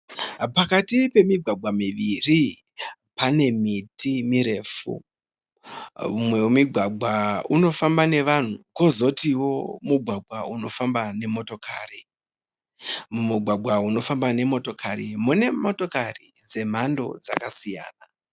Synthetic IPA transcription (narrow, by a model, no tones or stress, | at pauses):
pakatipe̞miɡʱwaɡ͡bʱwamiʋiri | pane̞mitimiɾe̞fṵ | mwemiɡʱwaɡ͡bʱwauno̞fambane̞ʋan̤uko̞zo̞tiwo̞muɡʱwaɡʱwauno̞fambane̞mo̞to̞kʰa̰ri | muɡʱwaɡ͡bʱwauno̞fambane̞mo̞to̞kʰaɾimune̞moto̞karid͡ze̞m̤ando̞̰d͡za̰kasija̰ːna